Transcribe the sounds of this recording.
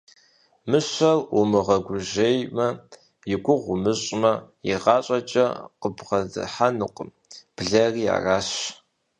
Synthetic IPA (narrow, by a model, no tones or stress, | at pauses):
mɨɕʷɐlʔʊmɨʁɐɡʷʊʒejmɐ | jɪɡʷʊʁʷʊmɨɕʼmɐjɪ̰ʁɑːɕʼɐt͡ʃʼɐ̰qəbʁɐdɨ̰ħanɨqʷʼm | b̥ɮɐriːja̰ːraːɕ